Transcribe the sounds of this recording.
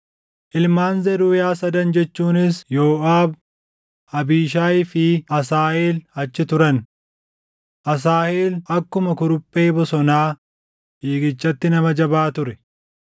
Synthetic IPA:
ʔɪlmaːnzɛɾuːjaːsɐd̪ɐnd͡ʒɛt͡ʃːuːnɪsjoːʔaːb | ɐbiːʃaːjfɪɐsaːʔeːlɐt͡ʃːɪt̪ʊɾɐn | ʔɐs̬aːheːlɐkːʊmɐkʊɾʊpʼːe̞ːbɔsɔnaː | ʔiːɡɪt͡ʃʼːɐt̪ːɪnɐmɐd͡ʒɐbaːt̪ʊɾɛ

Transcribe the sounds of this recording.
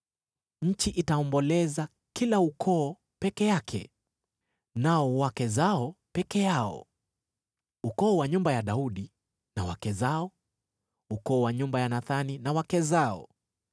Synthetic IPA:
ɲ̩t͡ʃiʔitaɔmbɔlɛza | kilaukʰɔː | pɛkɛjakʰɛ̰ | naɔwakɛzaɔpɛkɛjaɔ̰ | ukɔːwaɲumbajaɗauɗi | nawakɛzaɔ | ukɔːwaɲumbajanaθaninawakɛzaɔ̰

